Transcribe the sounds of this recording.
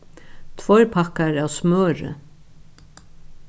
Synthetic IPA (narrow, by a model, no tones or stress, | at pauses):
t̪ʰvɔjɾpʰakaɹawsmœːɾə̰